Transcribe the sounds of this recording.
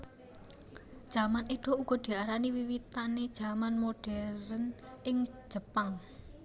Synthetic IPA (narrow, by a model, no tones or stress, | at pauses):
d̥ʒ̥a̤maneɖ̪̥o̤ʔuɡ̥ɔ̤d̪̥i̤aɾaniwiwit̪aned̥ʒ̥a̤manmoɖ̥ɛɾənʔɪŋ̥ | ʒ̥ə̤paŋ